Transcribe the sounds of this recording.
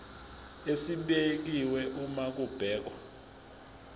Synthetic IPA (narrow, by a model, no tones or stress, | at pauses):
esiɓek̬iwɛʔumak̬ub̥ʱɛːk̬wɔ